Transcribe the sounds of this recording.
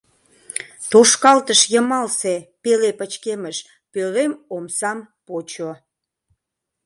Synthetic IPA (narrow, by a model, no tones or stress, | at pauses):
t̪oʃkɑlt̪əʃjəmɑlsepelepət͡ɕkeməʃ | pølemomsɑmpot͡ɕo